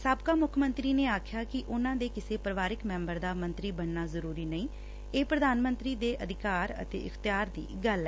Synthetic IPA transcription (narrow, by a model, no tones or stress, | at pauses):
saːbkaːmʊkʰmə̃nt̪ɾiːneːaːkʰjaːkɪʔʊnãːd̪eːkɪseːpɾəʋaːɾɪkmɛ̃ːmbəɾd̪aːmə̃nt̪ɾiːbəɳnaːzəɾuːɾiːnəĩː | eːpɾəd̪aːnmənt̪ɾiːd̪eːʔəd̪ʱɪkaːɾə̰t̪ḛːʔɪ̰xʰt̪ɪjaːɾd̪ḭːɡəlɛ